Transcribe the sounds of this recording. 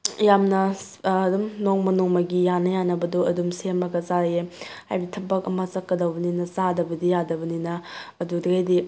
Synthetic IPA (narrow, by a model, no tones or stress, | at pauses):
jamnɐː | dumnoŋmɐnuŋmɐɡijanɐjanɐbɐduɐdumsemɐɡɐzajehajbitʰɐbɐkɐmɐzɐkːɐdɐwbɐninɐzadɐbɐdijadɐbɐninɐːdudiɡajdi